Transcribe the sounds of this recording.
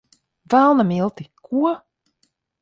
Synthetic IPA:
vælˠnamilˠt̪ikʰuɔ

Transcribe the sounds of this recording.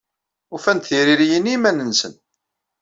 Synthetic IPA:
ufænt̪θiɾiɾijənimænənsən

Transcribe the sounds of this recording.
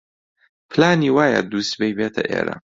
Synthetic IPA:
pʰlaːniːwaːjad̪uːst̪bejbeːt̪ʰɐʔḛːɾɐ̰

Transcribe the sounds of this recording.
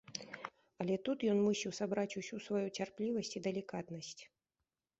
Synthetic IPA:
ɐlʲɛt̪ut̪jɔnmusʲiwsabɾat͡sʲusʲusvajut͡sʲarplʲivɐsʲt͡sʲid̪ɛlʲikat̪nɐsʲt͡sʲ

